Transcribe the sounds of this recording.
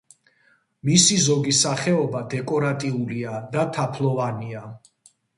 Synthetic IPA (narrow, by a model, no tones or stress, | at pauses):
misizɔɡisaχɛɔbad̪ɛkʼɔɾat̪ʼiuliad̪at̪ʰapʰlˠɔvania